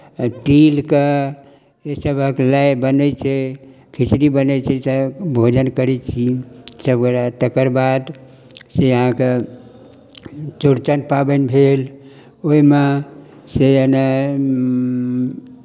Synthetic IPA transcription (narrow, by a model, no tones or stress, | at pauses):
ʈilke | esəbʱəklaebənɛt͡ʃʰɛ | kʰit͡ʃɾibənɛt͡ʃʰɛsəbʱod͡ʒənkəɾɛt͡ʃʰisəbkəɾat̪əkəɾbad̪ | sejəɦãke | t͡ʃuɾt͡ʃənpabənbʱel | oime | sejəna